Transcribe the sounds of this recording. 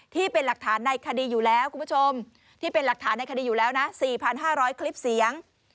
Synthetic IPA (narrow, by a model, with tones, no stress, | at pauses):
t̪ʰiː˥˩pe˧nla˨˩k̚t̪ʰaː˩˦nːa˧jkʰa˧diː˧juː˨˩lɛː˦˥wkʰu˧mpʰu˥t͡ɕʰo˧m | t̪ʰiː˥˩pe˧nla˨˩k̚t̪ʰaː˩˦nːa˧jkʰa˧diː˧juː˨˩lɛː˦˥wna˦˥siː˨˩pʰa˧nɦaː˥˩ɾɔː˦˥jkʰli˦˥p̚si˩˦əŋ